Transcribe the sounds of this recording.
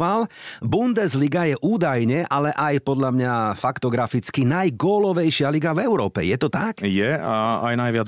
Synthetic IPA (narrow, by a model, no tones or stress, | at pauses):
ʋalbund̪ɛzliɡajɛʔuːd̪ajɲɛʔalɛʔajpɔd̪ʎamɲafakt̪ɔɡɾafit͡skinajɡɔːlɔʋɛjʃɪaliɡavɛʊɾɔːpɛ̰jɛt̪ɔt̪akjɛaa̰jnajʋɪad͡z